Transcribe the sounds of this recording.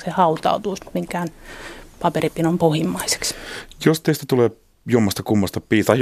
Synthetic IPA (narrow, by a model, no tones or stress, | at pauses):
sehɑut̪ɑ̰ut̪uːsmiŋkæːnpɑperipinompohimːɑise̥ksjost̪eist̪æt̪uleː | juomːɑst̪ɑkumːɑst̪ɑpiːt̪ɑi